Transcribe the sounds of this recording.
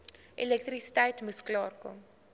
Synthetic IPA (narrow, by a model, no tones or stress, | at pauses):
ʔilɛk̚trisi̥tɛjtmusklɑːrkɔ̰m